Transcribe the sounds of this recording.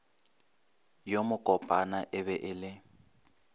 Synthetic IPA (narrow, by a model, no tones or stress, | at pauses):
jomʊkʼɔpʼanaʔɪβɛʔɪlɪ